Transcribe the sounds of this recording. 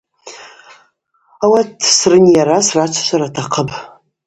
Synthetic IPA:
awatʰsrɨnjaɾasrat͡ʃʷʰḁʃʷʰaɾatʰaqʰəpʰʼ

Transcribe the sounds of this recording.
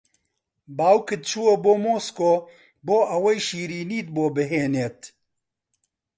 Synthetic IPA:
baːwkɨt̪̚t͡ʃʰuwoboːmoːskoː | boːʔɐwɐjʃiːɾiːniːt̪̚boːbɨɦeːneːt̪

